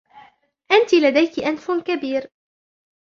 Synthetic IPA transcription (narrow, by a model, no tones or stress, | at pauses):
ʔant̪ilad̪ajkɪʔanfkabiːɾ